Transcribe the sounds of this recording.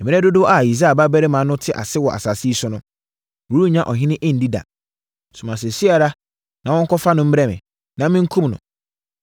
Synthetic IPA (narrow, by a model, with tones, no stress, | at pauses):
ɛ˨mĩ˨˦ɛ˦dʊ˦dʊ˦a˨i˨s̬a˦a˨ba˦bɛ˦ɾɪ˦mã˨˦nʊ̃˦tʰɪ˦ʔa̰˨sɪ˦wɔ˨ʔa̰˨sa˨si˦sʊ˦nʊ̃˦˨ | u˦ɾu˦ɲã˦ʔɔ˨ɦɪ̃˦nɪ̃˦ʔe˦n̩˨˦di˦da̰˨ | sʊ̃˨mã˨s̬e˨si˦a˨ɾa˦ | nã˨wɔ̃˦ŋ̩˦kʰɔ˦fa˦nʊ̃˦m̩˦ɾɛ˦mɪ̰̃˨ | nã˨mɪ̃˦ŋ̩˦kʰũ˦mnʊ̰̃˨